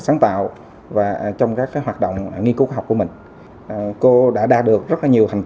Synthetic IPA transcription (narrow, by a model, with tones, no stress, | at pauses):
saː˨˦ŋt̪a̰ː˧˨w | vaː˨˩t͡ɕɔ˧wŋ͡mkaː˦˥k̚ːaː˨˦jɦwaː˨˩t̚ɗo̰˧˨wŋ͡mŋi˧ku˨˦kɦwk͡pku˧˩əmï˨˩ŋ̟ | ʔko˧ɗa̰ː˧˥ɗaː˧ɗɨ˨˩ək̚zə˦˥t̚laː˨˩ɲi˨˩əwha˨˩ŋ̟t